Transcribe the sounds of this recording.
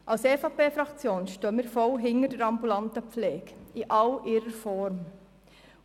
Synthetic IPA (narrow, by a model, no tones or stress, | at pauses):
ʔɑlsefɑːpeːfɾɑkt͡sjoːnʃtøːəmiːɾfɔlɦɪŋəɾdəɾɑmbulɑntəp͡flɛːɡiʔɑlʔɪɾəɾfɔɾm